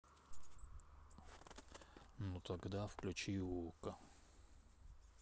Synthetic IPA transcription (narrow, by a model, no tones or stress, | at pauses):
nut̪ɐɡd̪afklʲʉt͡ɕiwukə